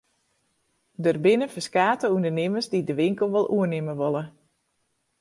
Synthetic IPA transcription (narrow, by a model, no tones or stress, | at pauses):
dərbɪnəfəskaːtəundərnɪməsdidəʋɪŋkəl̩ˠʋɔlˠʔuənɪməʋolə